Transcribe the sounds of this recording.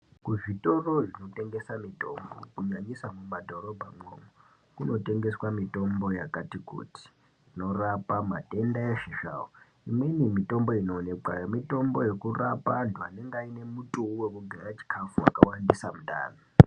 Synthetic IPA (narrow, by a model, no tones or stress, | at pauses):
kuvitʼoroʒinotʼeŋɡesamitʼo̰mbo̰kuɲaɲisamumadʱoɾɔbʱaŋ͡ǃoŋu | kunotʼeŋɡeswamitʼombojakʼatikʰʼṵtʰi̥ | inorapʼamatʼendajeʃiʃa̰wo | imwenimitʼomboinoneǃajmitʼombojekurapʼandʱuaneŋɡainemutʼuuwekuɡʱaɾat͡ʃʰi̥kʰafuwa̰kawandisamutʼa̰ːnɔ